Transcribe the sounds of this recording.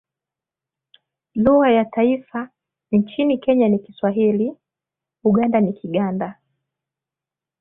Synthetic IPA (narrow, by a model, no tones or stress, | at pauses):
luɣajataifa | nt͡ʃinikɛɲanikiswaɦili | uɠandanikiɠanda